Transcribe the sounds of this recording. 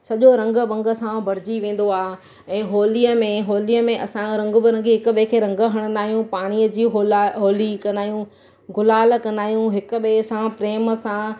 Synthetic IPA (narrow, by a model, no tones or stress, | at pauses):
sɐʄoɾɐ̃ŋɡə̆bɐ̃ŋɡə̆sãbɐɾ̤ɪd͡ʑiʋẽːn̆d̪oaː | ɛ̃ːɦoːlijəmẽɦoːliəmẽʔɐsãɾɐ̃ŋɡbɪɾɐ̃ŋɡiɦɪkʊ̆ɓekʰeːɾɐ̃ŋɡəɦɐɽ̃ə̃nd̪aːɦijũpaːɽ̃iəd͡ʑiːɦolɦoːlikɐ̃nd̪aːɦjũ | ɡʱʊlaːlkɐ̃nd̪aːɦijũɦɪkʊ̆ɓeːsãpɾeːməsã